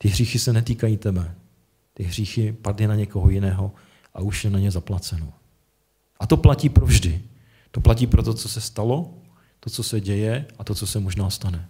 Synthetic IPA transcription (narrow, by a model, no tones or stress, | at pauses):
t̪ɪɦriːxɪsɛnɛt̪iːkajiːt̪ɛbɛ | t̪ɪɦr̝iːxɪpadlɪnaɲɛko̞ɦojɪnɛːɦo̞ | ʔa̰uʃjɛnaɲɛzaplat͡sɛno | ʔat̪o̞placiːpɾovʒdɪ | t̪o̞plac̬iːpɾot̪o̞t͡sosɛst̪alo̞ | t̪o̞t͡so̞sɛɟɛjɛʔat̪o̞t͡sosɛmoʒnaːst̪anɛ